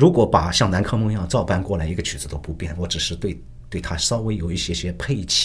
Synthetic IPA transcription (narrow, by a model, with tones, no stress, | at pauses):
ɻu˧˥kwɔ˧˥pa˨˩ɕjɑ˥˩ŋna˧˥nkʰɤ˥mɤ˥˧ŋjɑ˥˧ʊt͡sɑ˥˩ʊpa˥˧nkwɔ˥˩la˧˥ɪi˧˥ɡə˧t͡ɕʰy˨˩t͡sɹ̩˧˥t̪o˥ʊpu˧˥pjɛ˥˩nwɔ˧˥ʈ͡ʂɻ̩˨˩ʂɻ̩˥˧t̪we˥˧ɪ | t̪we˥˩ɪt̪ʰa˥sɑ˥ʊwe˧˥ɪjo˨˩ʊi˥˩ɕjɛ˥ɕjɛ˥pʰe˥˧ɪt͡ɕʰ